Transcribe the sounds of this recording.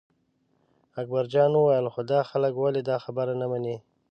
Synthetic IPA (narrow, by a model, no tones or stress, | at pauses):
ak̚baɾd͡ʒɑnuwajəlxod̪ɑxaləkwaled̪ɑxabaɾanamane